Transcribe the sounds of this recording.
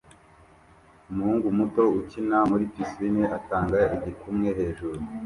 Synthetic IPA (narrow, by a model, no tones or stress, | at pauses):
umuhuːŋɡumuto̞ucinamuɾipiswiniʔataːŋɡaiɟikumŋe̞ɦe̞ːʒuɾu